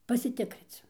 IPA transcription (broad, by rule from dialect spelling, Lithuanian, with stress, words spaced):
pɐsʲɪˈtʲɪkrʲɪt͡s